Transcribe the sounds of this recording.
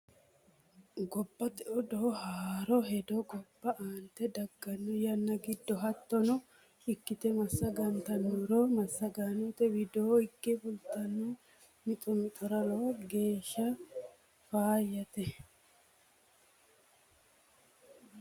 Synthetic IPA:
ɡɔbːɐt̪ɛʔɔd̪ɔɔhaːɾɔɦɛd̪ɔɡɔbːɐʔaːnt̪ɛd̪ɐɡːɐnːɔjɐnːɐɡɪd̪ːɔɦɐt̪ːɔnɔ | ɪkːɪt̪ɛmɐsːɐɡɐnt̪ɐnɔɾomɐsːɐɡaːnɔt̪ɛwɪd̪oːɪkːɛfʊlt̪ːɐnːu | mɪt̪ʼɔmɪt̪ʼɔɾɐlɔwɐɡe̞ːʃːɐ | faːjːɐt̪ɛ

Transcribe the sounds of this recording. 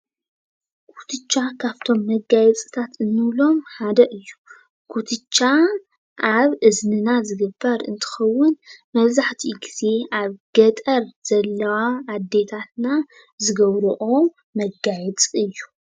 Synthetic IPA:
kʰu̥t̪ʰɨt͡ʃʼːakʰaβt̪ʰo̞mːɐɡajɛt͡sʼɨt̪ʰat̪ɨnːɨβlo̞mħad̪ɐʔɨjːu | kʰut̪ʰɨt͡ʃʼːa | ʔaβɨznɨnazɨɡɨbːɐɾɨnt̪ʰɨ̥xɐwːʊnmɐβzaħt̪ʰiɡiz̥e̞ʔaβɡ̥ɐt̪ʼɐɾz̥ɐlːɐwaːd̪ːe̞t̪ʰat̪na | zɨɡɐβɾuʔo | mɐɡajɛt͡sʼɨjːu̥

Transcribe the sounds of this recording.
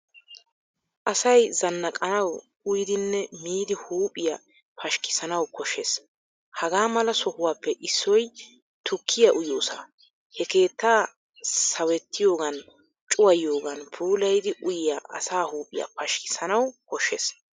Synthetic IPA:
ʔɐsɐjzɐnːɐkʼɐnɐw | ʊjɪd̪ɪnːɛmiːd̪ɪhuːpʼɪjɐ | pʰɐʃkɪ̥sɐnɐwkɔʃes | hɐɡaːmɐlɐsɔhʊwaːpːɛʔɪsːɔj | t̪ʰʊkʰːɪjɐʔʊjoːsa̰ | hɛke̞ːt̪ːaː | sɐwɛt̪ːɪjo̞ːɡɐn | t͡ʃʼʊwɐjo̞ːɡɐnpʰuːlɐjd̪ɪʔʊjɪjaːʔɐ̰saːhuːpʼɪja̰pɐʃkɪ̥sɐnɐwkɔʃːes

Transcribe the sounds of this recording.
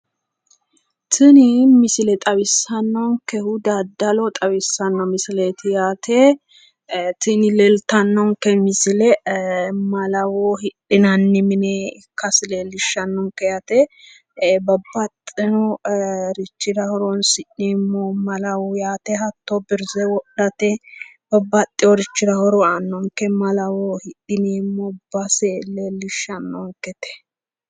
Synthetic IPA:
t̪ʰɪnɪmɪsɪlɛt̪ʼɐβɪsːɐnːɔŋkɛhʊd̪ad̪ːɐlɔt̪ʼɐβɪsːɐnːɔmɪsɪlet̪ɪjaːt̪ʰe | t̪ɪnɪlɛlt̪ɐnːɔŋkɛmɪsɪlɛ | mɐlɐwohɪᶑɪnɐnːɪmɪnɛkːɐsɪleːlːɪʃːɐnːɔŋkɛjɐt̪ɛ | bɐbːɐt̪ʼɪnɔɾɪt͡ʃːɪɾɐhɔɾɔnsɪᶑnemːomɐlɐwʊjaːt̪ɛɦɐt̪ːobɪɾzɛwɔɗɐt̪ɛb̥ɐbːɐt̪ʼːɪjɔɾɪt͡ʃːɪɾɐhɔɾɔɐnːɔŋkɛmɐlɐwohɪɗɪneːmːɔbɐselelɪʃːɐnːɔŋkɛt̪ɛ̥

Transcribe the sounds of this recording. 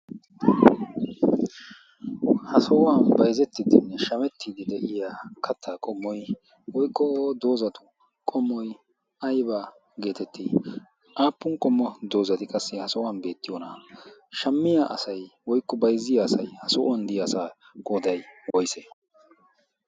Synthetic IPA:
hɐsɔʔanbɐjzɛt̪ːɪd̪ɪnːɛʃɐmɛt̪ːiːd̪ɪd̪ɛʔɪjaːkʰɐt̪ʰːaːkʼɔmːɔj | wɔjkːɔd̪o̞ːzɐt̪ʊ̥ | kʼɔmːɔj | ʔɐjba | ɡe̞ːt̪ɛt̪ːi | ʔaːpːʊŋkʼɔmːɔd̪o̞ːzɐt̪ɪkʼɐsːɛhɐsɔʔanbe̞ːt̪ːɪjoːnɐʃɐmːɪjaʔɐsɐjwɔjkːɔbɐjzːɪjaːsɐjhɐsɔʔand̪ɪjasaː | ɡ̥oːd̪ɐjwɔjse

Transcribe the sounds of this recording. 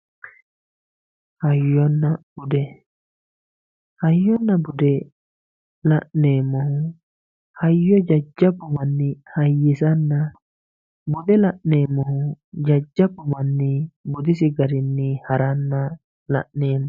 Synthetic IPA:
hajːɔnːabudɛ | hajːɔnːabudɛ | laʔnɛːmɔh | hajːɔd͡ʒad͡ʒːabumanːihajːisanːa | budɛlaʔnɛːmɔhd͡ʒad͡ʒːabːumanːibud̪isiɡaɾinːihaɾanːa | la̰ʔnɛːmɔ

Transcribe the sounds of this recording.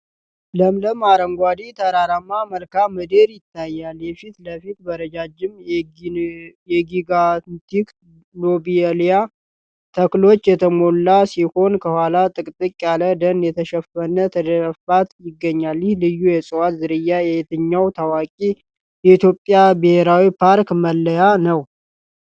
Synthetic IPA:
ləmləmaɾəŋɡʷad̪it̪ʰəɾaɾamːaməlkaməd̪eɾjɪt̪ʰːajːaljɛfit̪ləfit̪bəɾəd͡ʒad͡ʒːɪm | jɛɡiɡat̪ik | lobielja | t̪ʰəklo̞t͡ʃːjɛt̪ʰəmo̞lːasiho̞nkʰəhwʷalat̪ʼɨkʼt̪ʼɨkʼjaləd̪ənjɛt̪ʰəʃɛfənət̪ʰəd̪əɾəfat̪jɪɡːəɲːaljɪhlɨjːujɛsʼɨwat̪zɨɾɨjːajɛjet̪ɨɲːawt̪ʰawakʼi | jɛit̪jo̞pʼːjabɨhe̞ɾawipʰaɾkməlːəjanəw

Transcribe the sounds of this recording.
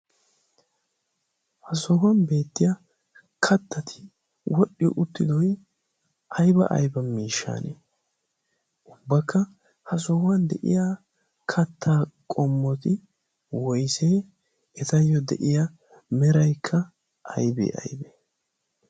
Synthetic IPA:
hɐsɔwɐnbe̞ːt̪ːɪjɐ | kʰɐt̪ːɐt̪ʰɪ̥ | wʔɔɗːɪjɔ̰ʔʊt̪ːɪd̪ɔj | ɐjbɐ̰ʔɐ̰jbɐmiːʃːa̰ːne | ʔʊbːɐkʰːɐ | hɐs̬ɔhɐnd̪ɛʔɪ̰ja | kʰɐt̪ʰːaːkʼɔmːɔt̪ɪ | wɔjseː | ɛt̪ɐjːɔd̪ɛʔɪjɐ | mɛɾɐjkʰːɐ | ʔɐ̰jbḛːʔɐ̰jbe

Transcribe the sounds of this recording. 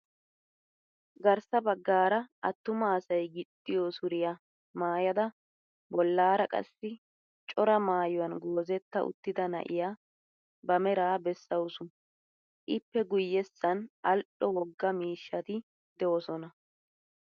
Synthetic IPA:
ɡɐɾsɐbɐɡːaːɾɐʔɐt̪ːʊmɐːsɐjɡɪt̪ʼːɪjosʊɾɪja | maːjɐd̪ɐ | bɔlːaːɾɐkʼɐ̰sːɪ | t͡ʃʼɔɾɐmaːjʊwɐnɡo̞ːzɛt̪ːɐʔʊ̰t̪ːɪd̪ɐnɐ̰ʔɪ̰jaː | bɐmɛɾaːbɛsːɐwsʊ | ʔɪpːɛɡʊjːɛsːɐnʔɐlɗɔwɔɡːɐmiːʃːɐt̪ɪ | d̪ɛwɔsɔnɐ

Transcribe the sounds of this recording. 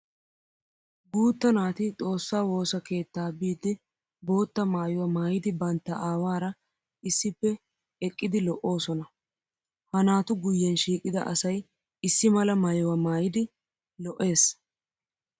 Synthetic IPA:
ɡuːt̪ːɐnaːt̪ɪt̪ʼo̞ːsːaːwo̞ːsɐke̞ːt̪ːaːbiːd̪ɪ | bo̞ːt̪ːɐmaːjʊwɐmaːjɪd̪ɪbɐnt̪ːɐʔaːwaːɾɐ | ɪsːɪpːɛ | ɛkʼːɪd̪ɪlɔʔo̞ːsɔnɐ | hɐnaːt̪ʊɡʊjːɛnʃiːkʼːɪd̪ɐ̰ʔɐsɐj | ɪsːɪmɐlɐmaːjʊwɐmaːjɪd̪ɪ | lɔʔːe̞ːs

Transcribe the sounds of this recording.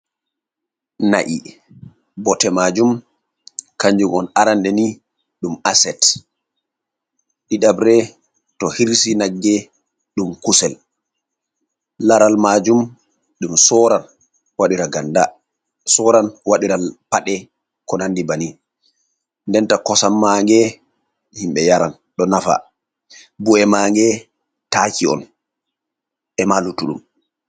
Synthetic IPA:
na̰ʔi | bɔtɛmad͡ʒum | kaɲd͡ʒuɡɔnaɾandɛni | ɗumasɛt | ɗiɗabɾɛ | tɔhiɾsinaɡːɛ | ɗumkusɛl | laɾalmad͡ʒum | ɗumsɔɾan | waɗiɾaɡanda | sɔɾanwaɗiɾapaɗɛ | kɔnandibani | ndɛntakɔsamːaŋɡɛ | himɓɛjaɾan | ɗɔnafa̰ | buɛmaːŋɡɛ | takiɔ̰n | ʔɛmalutuɗum

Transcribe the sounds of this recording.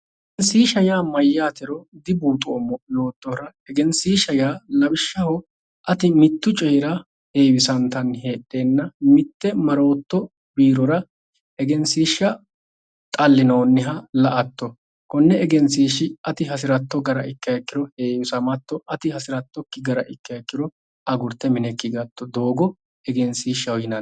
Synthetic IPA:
ɛɛnsiːʃɐjaːmɐjːaːt̪ɪɾɔd̪ɪbuːt̪ʼʊɔmːɔjo̞ːt̪ːɔɾɐ | ɛɡɛnsiːʃɐjaːlɐbɪʃːɐhɔ | ʔɐt̪ɪmɪt̪ːʊt͡ʃʼɛjɾɐ | he̞ːwɪsɐnt̪ɐnhe̞ːɗːe̞ːnːɐmɪt̪ːɛmɐɾo̞ːt̪ːɔ | biːɾɔɾɐ | ʔɛɡɛnsiːʃːɐ | t̪ʼɐlːɪnoːnːɪɦɐlɐʔɐt̪ːɔ | kɔnːɛɛɡɛnsiːʃɪɐt̪ɪɦɐs̬ɪɾɐt̪ːɔɡɐɾɐʔɪkːɐkːɪɾɔheːwɪsɐmɐt̪ːɔɐt̪ɪhɐsɪɾɐt̪ːɔkːɪɡɐɾɐ̰ʔɪkːɐɐkːɪɾɔ | ɐɡʊɾt̪ːɛmɪnɛkːɪɡɐt̪ːɔd̪o̞ːɡɔ | ɛɡɛnsiːʃːɐwjɪnɐ

